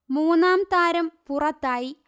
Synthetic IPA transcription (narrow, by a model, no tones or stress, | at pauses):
muːnːaːmt̪aːɾɐmpurɐt̪ːaːji